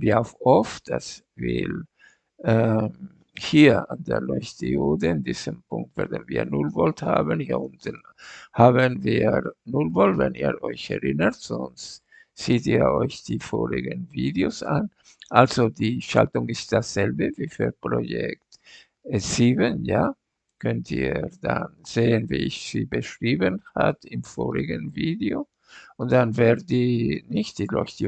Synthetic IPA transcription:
viaʊfʔɔfd̥a̰s | vḭl | ʔɛ | hiːɐandeːɐlɔʏçtiodəɪndiːzəmpʊŋk̚tv̥ɛɐdənviːɐnʊlvɔlthaːbənhiːɐʊntən̩ | haːbənviːnʊlvɔltvɛniːɐʔɔʏçɛʁɪnətz̥ɔnst | z̥iːtiːɐɔʏçd̥iːfoːʁɪɡənviːdeosʔan | ʔalzodiːʃa̰ltʊŋɪst̚d̥asz̥ɛlbəviːfyːpʁojɛk̚t | ɛz̥iːbənjaː | kʰœntḭːdanz̥eːənvḭːɪçz̥ḭːbəʃʁ̥iːbənha̰tɪmfoːʁɪɡənviːdeo | ʔʊntd̥anvɛdiːnɪçtd̥iːlɔ̰çt

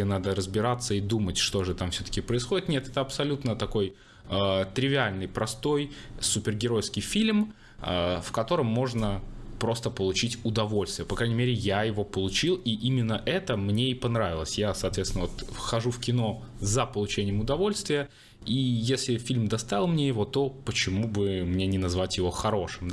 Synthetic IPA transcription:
nad̪əɾəzbʲɪɾat̪sːəid̪umətʲʂt̪o̞ʐɨt̪amfsʲɵt̪ə̥kʲɪpɾəɪsxo̞dʲɪt̪nʲet̪ɛt̪əɐpsɐlʲut̪nət̪ɐko̞j | ət̪ɾʲɪvʲɪalʲnɨjpɾɐst̪o̞jsʊpʲɪrɡʲɪɾo̞jskʲɪjfʲilʲm | əfkɐt̪o̞ɾəmːo̞ʐnəpɾo̞st̪əpəlˠʊt͡ɕitʲʊd̪ɐvo̞lʲst̪vɪjəpɐkɾanʲɪmʲeɾʲɪjajɪvo̞pəlˠʊt͡ɕilˠiʔimʲɪnːəʔɛt̪əmnʲeipɐnɾavʲɪlˠəsʲjasɐːt̪vʲet̪sʲɪnəvot̪xɐʐufkʲɪno̞ | zəpəlˠʊt͡ɕenʲɪjəmʊd̪ɐvo̞lʲst̪vʲɪjə | ijesʲlʲɪfʲilʲmd̪ɐst̪aɪlˠmnʲejɪvo̞t̪o̞pət͡ɕɪmubɨmnʲenʲɪnɐzvatʲjɪvo̞xɐɾo̞ʂɨm

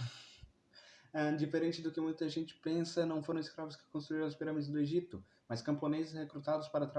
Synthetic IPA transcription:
ɛd͡ʒifeɾẽnt͡ʃɪd̪ʊkɪmũj̃t̪ɐʒẽnt͡ʃɪ̥pẽsɐnɐ̃w̃foɾɐ̃ɪskɾavʊskɪ̥kõst̪ɾuiɾɐ̃ʊspiɾɐ̃mid̪ʊzd̪ʊeʒit̪ʊ | mɐskɐ̃mponezɪshekɾut̪ad̪ʊspaɾɐt̪ɾa

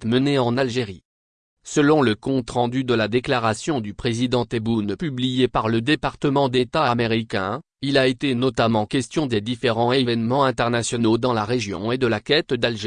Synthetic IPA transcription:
t̪məneɑ̃nalʒeʁi | səlɔ̃ləkɔ̃t̪χɑ̃d̪yd̪əlad̪eklaʁasjɔ̃d̪ypχezid̪ɑ̃t̪ebunpyblijepaʁləd̪epaʁt̪əmɑ̃d̪et̪aameʁikʲɛ̰̃ | ilaet̪enɔt̪amɑ̃kʲɛst̪jɔ̃d̪ed̪ifeʁɑ̃evɛnmɑ̃ɛ̃t̪ɛʁnasjɔnod̪ɑ̃laʁeʒjɔ̰̃ed̪əlakʲɛt̪d̪alʒe

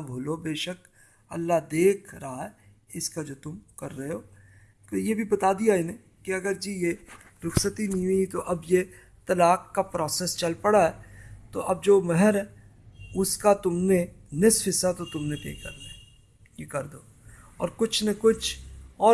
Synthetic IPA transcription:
bʱoːlobeːʃək | ɐ̰lːaɦd̪eːkʰɾɐɦaɦɛː | ɪskad͡ʒoːt̪ʊmkɐɾːɐɦeɦoː | t̪ojebʱibɐt̪aːd̪ijaɪne | kiɐɡəɾd͡ʒije | ɾʊxsət̪iniit̪oʔɐbje | t̪ɐlaːkːapɾɔːseːst͡ʃɐlpɐɽaɦɛt̪o̰ʔɐb̚d͡ʒoːmɛɦɛɾɦɛ | ʊskat̪ʊmnenɪsfɪsat̪ot̪ʊmnet̪ḛːkɐ̰ɾneɛ | jekɐɾd̪o̰ː | ɔ̰ːɾkʊt͡ʃʰnekʊt͡ʃʰɔː

